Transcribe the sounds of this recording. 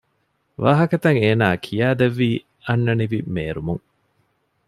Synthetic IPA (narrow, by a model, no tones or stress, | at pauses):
ʋaːɦɐkɐt̪ɐŋeːnaːkʰijaːd̪eʋːiː | ɐnːɐniʋimeːɾumuŋ